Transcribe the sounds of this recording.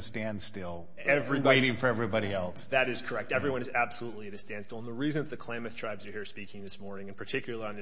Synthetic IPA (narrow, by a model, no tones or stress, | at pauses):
ɨstæ̃ndstɪlˠ | ɛvɹibɪɾɪ̃ŋfə˞ɛvɹibɑɾiɛlˠsðɨɾɨz̥kʰə˞ɛk̚tɛvɹiwʌ̃nɨzæb̥səlutˡliɨɾɨstæ̃ndstɪl̩ˠə̃n̩ðəɹizɨ̃nzðɨkʰl̥ẽɪ̃mɨθtʰɹ̥aɪbzjə˞hiɹspikɪ̃ŋðɪsmɔɹnɪ̃ŋɨ̃npʰə˞tʰɪkjl̩ˠəlˠiə̃nɨ